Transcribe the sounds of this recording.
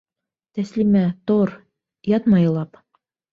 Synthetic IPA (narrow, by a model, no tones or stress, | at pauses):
t̪æslimæt̪oɾ | jɑt̪mɑjɤ̆lˠɑp